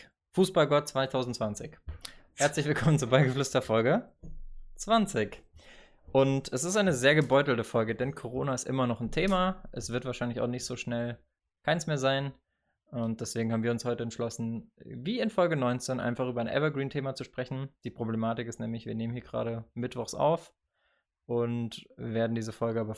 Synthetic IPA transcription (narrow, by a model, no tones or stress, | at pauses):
fuːsb̥alɡɔt̚t͡sv̥aɪtʰaʊzn̩tt͡sv̥ant͡sɪçhɛɐt͡slɪçv̥ɪlkʰɔmənt͡subaɪɡəflʏstɐfɔlɡə | t͡sv̥ant͡sɪç | ʔʊntɛsɪstʔaɪnəzeːɐɡəbɔʏtl̩təfɔlɡədɛnkʰoʁ̞oːnaɪstʔɪmɐnɔχn̩tʰeːmaʔɛsv̥ɪɐtv̥aːɐʃaɪnlɪça̰ʊxnɪçtz̥oːʃnɛl | kʰaɪnsmeːɐzaɪn | ʊnt̚d̥ɛsv̥eːɡŋ̩habmviɐʊnshɔʏtəɛntʃlɔsn̩viːɪnfɔlɡənɔʏnt͡seːnʔa̰ɪnfaχʔyːbɐaɪnʔɛ̰vɐɡʁiːntʰeːmat͡suʃpʁ̥ɛçn̩d̥iːpʁ̥oblemaːtɪkɪstnɛːmlɪçv̥iːɐneːmənhiːɐɡəʁa̰ːɾəmɪtv̥ɔχsa̰ʊf | ʔʊntveːɐdn̩diːzəfɔlɡəaːbɐ